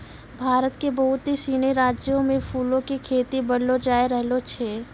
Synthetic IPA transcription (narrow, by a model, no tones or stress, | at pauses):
bʱaːɾət̪kebɐɦʊt̪ɦisiːneɾaːd͡ʒjõmẽpʰuːlõkikʰeːt̪ibɐɽlod͡ʒaːeɾəɦlot͡ʃʰeː